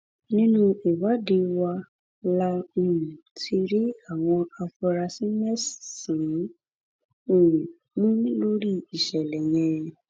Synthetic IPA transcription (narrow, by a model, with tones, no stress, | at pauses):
nĩ˦nũ˦i˨wa˨˦de˧wa˧ | la˦˧o˨ũ˨tʰi˧ɾi˦a˦˨w̃ɔ̃˧a˧fɔ˧ɾa˧sĩ˦mɛ˦˨ssĩ˨˦ | o˦˨ũ˨ | mũ˦lo˦ɾi˦˨i˨ʃɛ˨lɛ˨jɛ̃˧˨